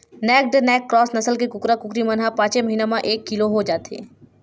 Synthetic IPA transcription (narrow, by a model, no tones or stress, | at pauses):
nɛːk̚ɖnɛːkːɾɔːsnɐsəlkekʊkɾakʊkɾimɐnɦapãːt͡ʃeməɦiːnamãʔeːkːɪloɦod͡ʒaːt̪ḛː